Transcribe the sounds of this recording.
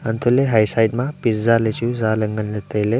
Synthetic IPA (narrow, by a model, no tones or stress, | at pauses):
ənt̪ʰuleɦajsajʈmapiszalet͡ʃuzaləŋɡənlet̪əjle